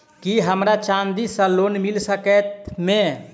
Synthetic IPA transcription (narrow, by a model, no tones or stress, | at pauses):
kiɦəmɾat͡ʃãnd̪isə̃lonmilsəkɛt̪me